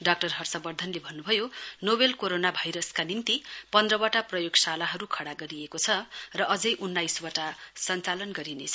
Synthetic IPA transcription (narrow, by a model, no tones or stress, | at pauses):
ɖak̚ʈʌrɦʌrsʌbʌrd̪ʱʌnlebʱʌnːubʱʌjonobelkoɾonabʱajɾʌskanint̪ipʌnd̪rʌwaʈaprʌjoɡsalaɦʌɾukʰʌɽaɡʌɾiekot͡sʰʌrʌʔʌd͡zʌjʔunːajswaʈasʌnt͡salʌnɡʌɾinet͡sʰʌ